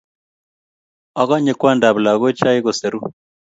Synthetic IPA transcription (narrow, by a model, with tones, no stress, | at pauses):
a˨ɣa˦ɲe˨kwa˦nda˨βu˨la˨ɣo˦t͡ʃa˦i˦ɣɔ˨se˨ɾu˦